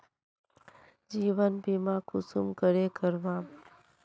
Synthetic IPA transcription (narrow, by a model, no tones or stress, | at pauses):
d͡ʒiʋənbʱimãkʊsumkəɾekəɾʋã